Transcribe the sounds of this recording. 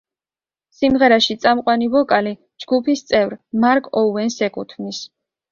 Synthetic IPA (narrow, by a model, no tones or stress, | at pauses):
simʁɛɾaʃit̪sʼamqʼwanivɔkʼali | d͡ʒɡupʰist̪sʼɛvɾmaɾkʼɔuɛnsɛkʼṵt̪ʰvnis